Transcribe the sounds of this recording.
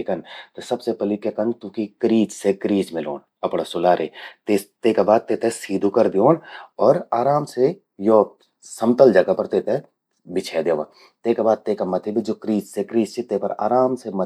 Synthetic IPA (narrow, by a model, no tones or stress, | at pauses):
ikɐnt̪osɐbsepɐlikjekɐnt̪ũkikɾiːd͡ʒsekɾiːd͡ʒmɪlo̰ːn | ɐpɽasʊlaːɾet̪et̪eːkabaːd̪̚t̪eːt̪esiːd̪ʱukɐɾd̪ioːnɔːɾaːɾaːmse | joː | sɐmt̪əld͡ʒɐɡapɐɾt̪eːt̪e | bɪt͡ʃʰɛːd̪eːʋa | t̪eːkabaːd̪̚t̪eːkamɐt̪ʰebʱid͡ʒoːkɾiːd͡ʒsekɾiːd͡ʒset̪eːpɐɾa̰ːɾaːmsemɐ